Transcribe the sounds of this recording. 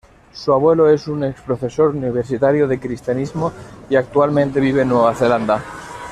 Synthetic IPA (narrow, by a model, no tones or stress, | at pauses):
suaβwe̞loe̞sunekspɾofeso̞ɾuniβ̞eɾsit̪aɾjoðe̞kɾist̪janizmoiak̚t̪ualmẽnt̪e̞β̞iβ̞enːweβaθe̞land̪a